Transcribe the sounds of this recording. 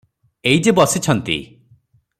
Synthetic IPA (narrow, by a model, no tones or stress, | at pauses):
ejd͡ʒebɔsit͡ʃʰɔnt̪ḭ